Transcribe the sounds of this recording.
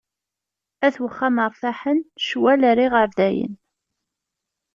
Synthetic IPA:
æθwəχːaməɾˤfaħənʃwæləɾiʁəɾðæjə̰n

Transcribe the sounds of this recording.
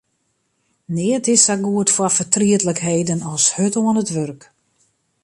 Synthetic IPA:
nɪətɪsaɡuətfwɔfətriətləkheːdənɔlˠshøtoənətʋørk

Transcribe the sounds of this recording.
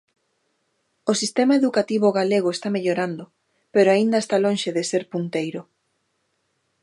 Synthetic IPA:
osist̪emaeðukat̪iβʊɣaleɣ̞oest̪ameʎoɾand̪ʊ | peɾoaind̪aest̪alõnʃeðeseɾpunt̪ejɾʊ

